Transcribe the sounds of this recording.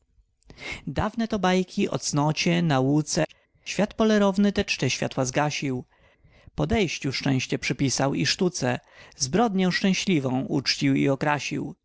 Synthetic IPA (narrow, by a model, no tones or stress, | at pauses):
d̪avnɛt̪ɔbajkʲiʔɔ̰t̪snɔt͡ɕɛnawut̪sɛ | ɕfʲjat̪pɔlɛɾɔvnɘt̪ɛt͡ʂt̪ɛɕfʲja̰t̪wazɡaɕiw | pɔd̪ɛjɕt͡ɕufʂt͡ʂɛ̃w̃ɕt͡ɕɛpʂɘpʲisawiʂt̪ut̪sɛzbɾɔd̪ɲɔ̃w̃ʂt͡ʂɛ̃w̃ɕlʲivɔ̃w̃ʔut͡ʂt͡ɕiwḭɔkɾaɕḭw